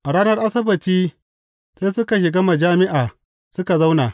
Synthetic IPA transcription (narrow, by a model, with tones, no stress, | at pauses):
ʔa˨ɽaː˦nɐ˦rʔa˦sɐ˦bɐ˨t͡ʃiː˦ | seː˦jsʊ˦ka˨ʃ̬ɪ˨ɡaː˦ma˨d͡ʒaː˦mɪ˦ʔaː˨ | sʊ˦ka˨za˦wnaː˨